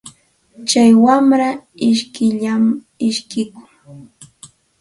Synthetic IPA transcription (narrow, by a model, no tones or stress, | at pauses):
t͡ʃajwamɾaɪʃkɪʎam | ɪʃkɪkʊ̥ŋ